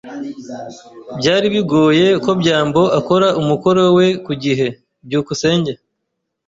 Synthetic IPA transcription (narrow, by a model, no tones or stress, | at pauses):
bɟaːɾiβiɡo̞ːje̞ko̞bɟaːmbo̞ʔako̞ɾaʔumuko̞ɾowe̞kuɟiɦe̞ | bɟuːkuse̞ːɲɟa